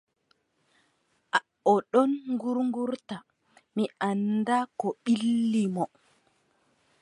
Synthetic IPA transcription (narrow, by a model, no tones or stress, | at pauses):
ʔa | ɔɗɔnŋɡuɾŋɡuɾta | miʔanːdakɔɓilːimɔ